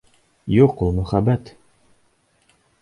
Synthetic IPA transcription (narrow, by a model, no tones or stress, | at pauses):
juqulˠmɵ̆χæbæt̪